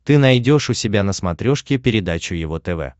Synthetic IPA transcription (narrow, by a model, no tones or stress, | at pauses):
t̪ɨnɐjdʲo̞ʂʊsʲɪbʲanəsmɐt̪ɾʲo̞ʂkʲɪpʲɪɾʲɪd̪at͡ɕʊjɪvo̞t̪ɛvɛ̰